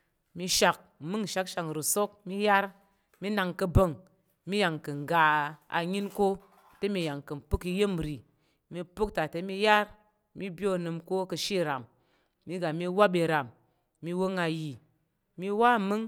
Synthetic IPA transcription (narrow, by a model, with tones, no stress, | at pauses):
mi˧ʃa˨k̚mɨ˦ŋ˨ʃa˧˦kʃa˨ŋ˨ɾu˨so˦k̚mi˦ja˦ɾ | mi˦na˧ŋkɨ˧bə˧˨ŋ | mi˦ja˨ŋkɨ˨ŋ˨ɡa˨a̰˧ɲi˦nko˦ | te˦mi˧ja˨ŋkɨ˨m̩˨pɨ˦ki˧je˦m˨ɾi˨ | mi˧pu˦k̚ta˨te˨˦mi˧ja˦ɾ | mi˦bjo˦˨nɨ˧mko˦kɨ˧ʃi˦ɾa˨mː | i˦ɡa˨mi˧wa˦ɓe˧ɾa˨mː | i˧wo˦ŋa˧ji˨ | mi˧wa˦mɨ˦ŋ